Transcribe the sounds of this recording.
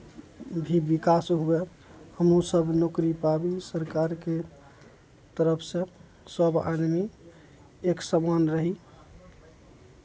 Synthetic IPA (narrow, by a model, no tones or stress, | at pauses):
bʱibikasɦue | həmũsəbnokɾipabisəɾkaɾke | t̪əɾəpʰsẽ | səba̰d̪mi | eksəmanɾəɦi